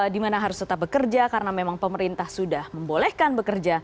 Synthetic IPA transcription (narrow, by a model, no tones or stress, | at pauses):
dimanaɦaɾʊst̪ət̪ap̚bəkərd͡ʒakaɾənamemaŋpəməɾint̪ahsudahməmbolɛhkanbəkərd͡ʒa